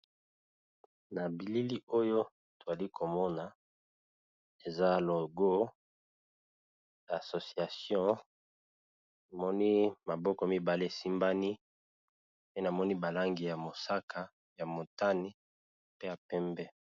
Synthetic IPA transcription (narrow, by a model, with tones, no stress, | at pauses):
na˨bi˨li˦li˦o˦jo˦ | to˨za˨li˦kʰo˨mɔ˦na˨ | e˨za˦lo˨ɡo˦ | jso˨si˨a˨sjɔ̃˦ | a˨mɔ˦ni˦ma˨bɔ˦kɔ˨mi˦ba˨le˦e˨si˦mba˦ni˦ | pe˦na˨mɔ˦ni˦ba˨la˦ŋɡi˨ja˨mo˨sa˦kʰa˨ | ja˨mo˨ta˦ni˦ | pe˦ja˨pɛ˦mbɛ˦